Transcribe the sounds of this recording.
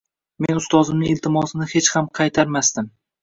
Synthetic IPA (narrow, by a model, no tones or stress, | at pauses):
menʊst̪ɒzɪmnɪɪlt̪ʰɪmɒsɪnɪhe̞t͡ʃhamqʰɑjt̪ʰaɾmast̪ɪm